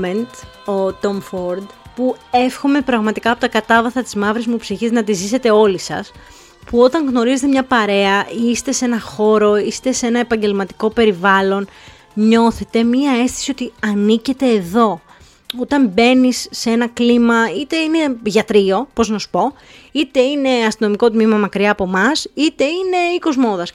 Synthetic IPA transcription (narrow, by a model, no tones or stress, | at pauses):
ent̪ | ot̪omfoɾd̪pue̞fxo̞me̞pɾɐɣmɐt̪ikɐːpo̞t̪ɐkɐt̪ɐvɐθɐt̪izmɐvɾezmupsiçiznɐt̪izise̞t̪e̞o̞lisɐ̰s | puo̞t̪ɐŋɣno̞ɾizet̪emɲɐpɐɾe̞ɐʔist̪e̞se̞nɐxo̞ɾo̞ist̪e̞se̞nɐe̞pɐɲɟe̞lmɐt̪i̥ko̞pe̞ɾivɐlo̞n | ɲo̞θe̞t̪e̞miɐe̞st̪i̥sio̞t̪iɐnice̞t̪e̞ːðo̞ | ot̪ɐmbe̞nisːee̞nɐklimɐit̪e̞ine̞ʝɐt̪ɾio̞po̞znɐsu̥po̞ | it̪e̞ine̞ɐst̪ino̞miko̞t̪mimɐmɐkɾiɐːpo̞mɐsit̪e̞ine̞iko̞zmo̞ðɐs